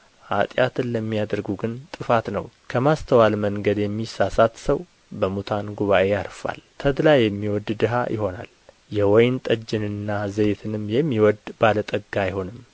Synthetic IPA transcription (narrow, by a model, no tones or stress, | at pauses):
hat̪ʼjat̪ʰɨnləmːijad̪əɾɡuɡɨnt̪ʼɨfat̪nəwkʰəmast̪ʰəwalməŋɡəd̪jɛmːisasat̪səw | bəmut̪ʰanɡuβaʔe̞jaɾfa̰lt̪ʰəd̪lajɛmːiwɔd̪d̪ɨɦa̰jɪ̰ho̞na̰l | jɛwɔjnt̪ʼəd͡ʒːɪnɨnːazəjt̪ʰɨnɨmːjɛmːiwɔd̪b̥alət̪ʼəɡːajɪho̞nɨm